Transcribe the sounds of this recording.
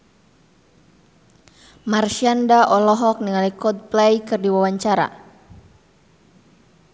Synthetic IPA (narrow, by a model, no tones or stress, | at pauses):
marʃiandaʔɔlɔɦɔk̚niŋalikɔd̪̚plɛjkɨrdiwawaɲt͡ʃaɾa̰